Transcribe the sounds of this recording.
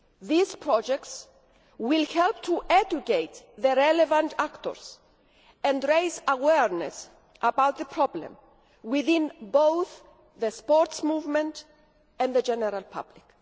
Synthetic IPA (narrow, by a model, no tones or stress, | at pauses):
ðizpʰɹɔd͡ʒɛk̚ts | wilhɛlp̚t̪ʰuʔɛd͡ʒukejt̪ðəɾɛlɛvãntʰakt̪ɔ̰ɹs | ɛ̃ndɹejzawɛɹnɛ̰s | ʔəbawt̪̚ðəpʰɹ̥ɔblɛ̰̃m | wɪθĩnbowθ | ðəspɔɹtsmuvmɛ̃nt | ɛ̃ndðəd͡ʒɛnɛɾalpʰa̰blik